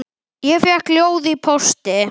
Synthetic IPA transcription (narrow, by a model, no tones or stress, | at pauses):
jɛfjɛkljoːwðɪipʰɔst̪ɪ